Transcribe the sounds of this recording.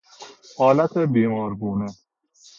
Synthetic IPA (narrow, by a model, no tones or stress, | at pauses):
hɔːlɐt̪ebiːmɔːɾɡuːnɐ